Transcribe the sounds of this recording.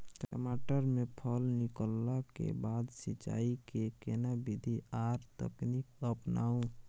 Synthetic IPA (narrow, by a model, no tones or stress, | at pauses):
kɾə̰maːʈəɾmẽpʰɔlnɪkəlːakḛbaːd̪sɪt͡ʃa̰ːikekenabid̪ʱiaːɾt̪ə̰knikəpna̰ːũ